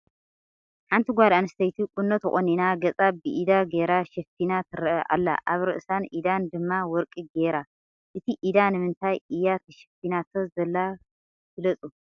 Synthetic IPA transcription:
ħant̪ʰiɡʷad̪anɨst̪ʰɐjt̪ʰikʼunːot̪ɨ̰χʼoninaɡɐt͡sʼabɨʔid̪aɡeɾaʃɛfinat̪ʰɨɾʔɐʔa̰lːa̰ʔaβɾɨ̰ʔsanʔid̪and̪ɨmːawɔɾkʼiɡeɾa | ʔɨt̪ʰiʔid̪anɨmɨnt̪ʰajʔijat̪ʰɐʃɛ̥finat̪ʰozɐlːa | tɨlɐt͡sʼu

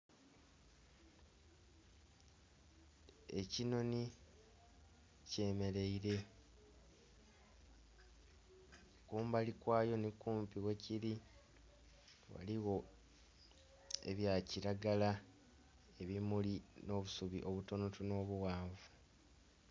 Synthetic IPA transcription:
ecino̞ni | ce̞ːme̞ɾe̞iɾe̞ | kuːmbalikwaːjo̞nikuːmpiwe̞ciɾi | wa̰liɣo̞ | ḛβjaːciɾaɡala | e̞βimulino̞ːβusuβiʔo̞βuto̞notuno̞ːβuwaːɱvu

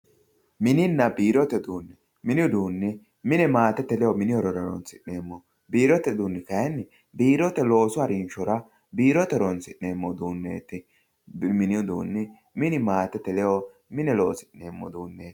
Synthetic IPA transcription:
mɪnɪnːɐbiːɾɔt̪ɛd̪uːnːɛ | mɪnɪʊd̪uːnːɪ | mɪnɛmaːt̪ɛt̪ːɛlɛjɔmɪnɪɔɾɔɾɔɾɔ̰nsɪʔːeːmːɔ | biːɾɔt̪ːɛd̪uːnːɪkɐjɛnːɪ | biːɾɔt̪ɛlo̞ːsʊɐɾinʃɔɾɐ | biːɾɔt̪ɛɾɔnsɪʔːeːmːɔd̪uːnːḛːt̪ɪ | mɪnɪʊd̪ṵːnːɪ | mɪnɪmaːt̪ɛt̪ːɛlɛɔ | mɪnɛlo̞ːsɪʔeːmːɔ̰d̪uːnːe̥ː

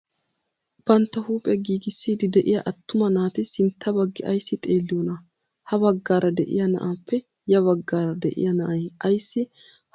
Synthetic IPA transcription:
b̥ɐnt̪ːɐhuːpʼjɐɡiːɡɪsːiːd̪ɪd̪ɛʔɪjɐʔɐt̪ːʊmɐnaːt̪ɪsɪnt̪ʰːɐbɐɡːɪʔɐjsːɪt̪ʼe̞ːlːɪjoːnɐ | hɐbɐɡːaːɾɐd̪ɛʔɪ̰jɐnɐ̰ʔaːpːɛ | jɐβɐɡːaːɾɐd̪ɛʔɪ̰jɐnɐʔɐjɐjsːɪ | h

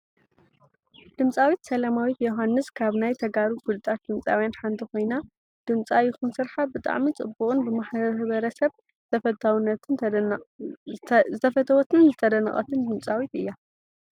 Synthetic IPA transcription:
d̪̥ɨmt͡sʼawit̪sɐlamawit̪joɦanːɨskʰaβnajt̪ʰɐɡaɾuɡulɨt̪ʼat̪̚d̪ɨmt͡sʼawjanħant̪ʰiko̞jna | d̪̥ɨmt͡sʼajɪxunsɨɾħabɨt̪ʼa̰ʕmit͡sʼɨbukʼɨnbɨmaħβɐɾɐsɐβʰ | ɐt̪awnːɐt̪ɨ | zɨt̪ʰɐfɐt̪ʰɐwot̪ʰɨnzɨt̪ʰɐd̪ɐnɨ̰χʼɐ̰t̪ʰɨnd̪ɨmt͡sʼawit̪ɨjːa

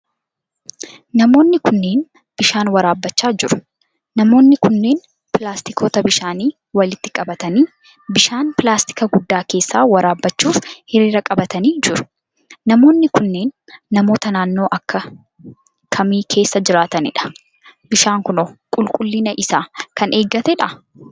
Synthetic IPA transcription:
nɐmo̞ːnːɪkʊnːe̞ːn | b̥ɪʃaːnwɐɾaːbːɐt͡ʃːaːd͡ʒɪɾʊ̥ | nɐmo̞ːnːɪkʊnːe̞ːn | pɪlaːst̪ɪkʰo̞ːt̪ɐbɪʃaːniː | wɐlɪt̪ːɪkʼɐbɐt̪ɐniː | bɪʃaːnpɪlaːst̪ɪ̥kɐɡʊd̪ːaːke̞ːsːaːwɐɾaːbːɐt͡ʃːuːfhɪɾiːɾɐkʼɐbɐt̪ɐniːd͡ʒɪɾʊ̥ | nɐmo̞ːnːɪkʊnːeːnː | ɐmo̞ːt̪ɐnaːnːo̞ːʔɐkːɐ | kʰɐmiːkʰe̞ːsːɐd͡ʒɪɾaːt̪ɐnɪ̰ᶑɐ̥ | bɪʃaːŋkʊnɔkʼʊlkʼʊlːɪnɐʔɪsaːkɐne̞ːɡːɐt̪ɛᶑɐ

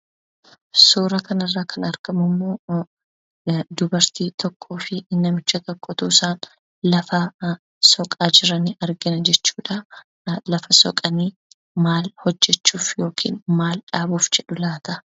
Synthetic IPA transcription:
suːɾɐkɐnɐrːaːkʰɐnɐɾɡ̥ɐmʊmːo̞ː | d̪ʊbɐɾt̪iːt̪ʰɔkʰːo̞ːfɪnːɐmɪt͡ʃːɐt̪ɐkʼːɔt̪uːsaːn | lɐfɐ | sɔkʼaːd͡ʒɪɾɐnɪʔɐɾɡɪnɐd͡ʒɛt͡ʃːuːᶑɐ | lɐfɐsɔ̰kʼɐniː | maːlhɔd͡ʒːɛt͡ʃːuːfjo̞ːkʰḭːnmaːlᶑaːbuːfd͡ʒɛᶑʊlaːt̪ɐ

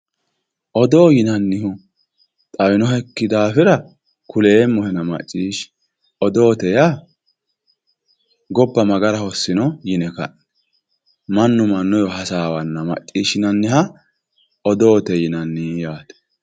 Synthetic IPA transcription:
ʔɔd̪o̞ːjɪnɐnːɪhʊ | t̪ʼɐwɪnɔhɛkːɪd̪aːfɪɾɐ | kʊle̞ːmːɔhɛnɐmɐ̰t͡ʃʼːiːʃ | ɔd̪oːt̪ɛja | ɡɔbːɐmɐɡɐɾɐhɔsːɪnɔjɪnɛkɐ̰ʔɛ̥ | mɐnːʊmɐnːʊjɔɦɐsaːwɐnːɐmɐ̰t͡ʃʼːiːʃɪnɐnːɪhɐ | ʔɔd̪oːt̪ɛjɪnɐnːɪjaːt̪ɛ̥

